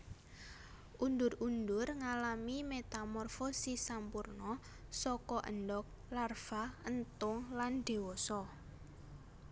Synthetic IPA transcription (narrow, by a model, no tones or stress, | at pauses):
ʔund̪ʊrund̪ʊrŋalamimet̪amɔrfosisampurnɔ | sɔkɔʔə̰nɖɔk̚ | larfaənt̪ʊŋland̪̥e̤wɔsɔ